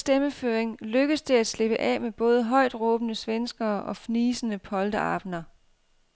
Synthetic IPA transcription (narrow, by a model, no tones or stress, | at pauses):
sd̥eməføːeŋløɡ̥əðsd̥e̝æd̥sle̝b̥əʔɛ̰ːmeb̥ɔ̽ːð̞ˠəɦɒ̽ɪ̰d̥ʁɔ̽ːb̥ənəsʋensɡ̥ɐːʔɒ̽fniːsənəpʰɒ̽ld̥əɑ̰̈ːb̥nɐ